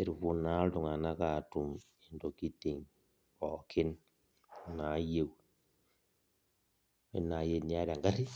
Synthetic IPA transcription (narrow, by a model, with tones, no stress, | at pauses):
e˨ɾi˨ku˨na˦ltu˨ŋa˨na˦ka˨tu˨m | e˨ndo˨ki˦ti˨ŋ | ɔ˨kʰi˦n˨ | na˨˦je˦w | e˦na˨je˦ni˦a˦ɾa˨ŋɡa˦ɾi˦